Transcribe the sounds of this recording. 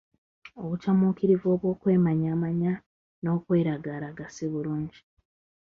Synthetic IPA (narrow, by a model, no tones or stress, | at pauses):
o̞βutamukiɾivo̞ːβwo̞ːkwe̞ːmaɲaːmaɲa | no̞ːkwe̞ːɾaɡaɾaɡasiβuluːɲɟi